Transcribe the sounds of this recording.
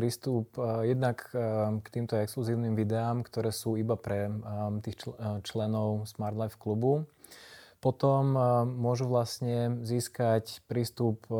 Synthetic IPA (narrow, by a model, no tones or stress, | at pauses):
ɾiːst̪upjɛd̪nakkt̪iːmt̪ɔɛkskluziːʊnimʋid̪ɛaːmkt̪ɔɾɛːsuːibapɾɛt̪iːxt͡ʃt͡ʃlɛnɔʊsmaɾd̪lajfklubu | pɔt̪ɔmːʊɔʒuʋlasɲɛziːskacpɾiːst̪up